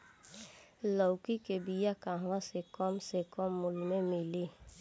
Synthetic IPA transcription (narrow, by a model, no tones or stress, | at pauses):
lɔwkikebijakãɦãsekɔmsekɔmːʊlmẽmile